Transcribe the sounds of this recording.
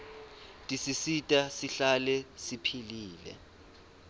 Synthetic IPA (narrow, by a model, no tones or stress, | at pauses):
tʼisisitʼasiɬalɛsipʰiliːlɛ̰